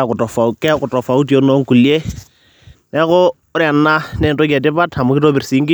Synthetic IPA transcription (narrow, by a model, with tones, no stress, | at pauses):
a˨kʊ˨tɔ˨fa˨kɛ˦kʊ˨tɔ˨fa˨u˦ti˨o˦no˦ŋ̩˦ku˨li˦e˦ | nɛ˦kʊ˦ | ʊ˦ɾɪ˦a˨n̩˦na˦nɛ˨nto˦ki˨a˨tɪ˦pa˦tʰa˨mʊ˦kɪ˦to˦bɪ˨rɪ˨si˨˦ŋ̩˦kɪ˦